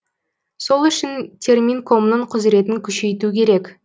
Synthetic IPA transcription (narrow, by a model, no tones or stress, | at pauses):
so̞lˠʏʃɪnt̪ʲʰe̞rmʲiŋkʰo̞mnəɴqʰʊzɾe̞t̪ɪŋkʲʰʏʃe̞jt̪ukʲʰe̞ɾe̞kʲ